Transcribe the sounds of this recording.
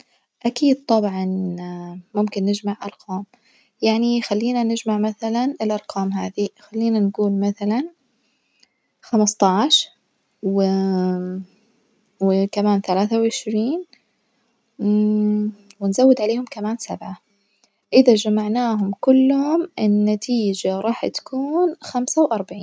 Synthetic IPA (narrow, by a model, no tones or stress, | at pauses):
ʔakiːd̪̚t̪ˤɑbʕɑnː | ʊmkɪnːɪd͡ʒmaʕʔɑ̰ɾˤqʰɑːm | jaʕnixalːiːnanɪd͡ʒmaʕmaθalanɪlʔɑɾˤqʰɑːmɦaːðixalːiːnanɡuːlmaθalan | xamɑst̪ˤɑʕʃ | wɪ | wɪkamaːnθalaːθawʕɪʃɾiːn | wɪnzawːɪd̪ʕaleːhʊmkamaːnsabʕa | ʔɪðad͡ʒamaʕnaːɦʊmkʊlːhʊmʔɪnːat̪ʰiːd͡ʒaɾˤɑːħt̪ḁkʰuːnxamsawʔɑɾˤbaʕiːn